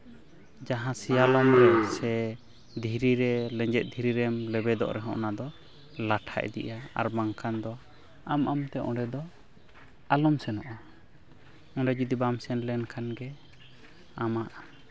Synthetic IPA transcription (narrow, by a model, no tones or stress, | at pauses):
d͡ʒaɦãsijalɔmɾɛsɛ | d̪ʱiɾiɾɛlɛ̃ɲd͡ʒɛt̪̚d̪ʱiɾiɾɛmlɛbɛd̪ɔ̰ʔɾɛɦɔ̰̃ʔnad̪ɔ | laʈʰa̰ʔɛ̰d̪ḭʔaa̰ɾmaŋkʰand̪ɔ | amamt̪ɛʔɔ̃ɖɛd̪ɔ | alɔmsɛnɔʔa | ɔ̃ɖɛd͡ʒid̪ibamsɛnlɛnkʰanɡɛ | amaʔ